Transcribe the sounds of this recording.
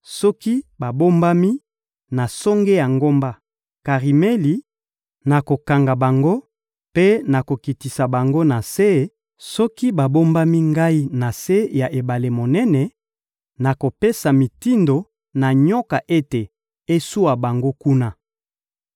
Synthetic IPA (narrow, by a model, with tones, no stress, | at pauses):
sɔ˦ki˦ba˨bo˦mba˦mi˦ | na˨sɔ˦ŋɡe˦ja˨ŋɡo˦mba˦ | ka˨ʁi˨me˦li˨ | na˨ko˨ka˨ŋɡa˨ba˨ŋɡo˦ | pe˦na˨ko˨ki˨ti˨sa˨ba˨ŋɡo˦na˨se˦ | sɔ˦ki˦ba˨bo˦mba˦mi˦ŋɡa˦i˦na˨se˦ja˨ʔe˨ba˨le˨mo˨nɛ˦nɛ˨ | na˨ko˨pe˦sa˨mi˨ti˦ndo˨ | na˨ɲɔ˦ka˨ʔe˦te˨ | e˦su˦wa˨ba˨ŋɡo˦ku˦na˦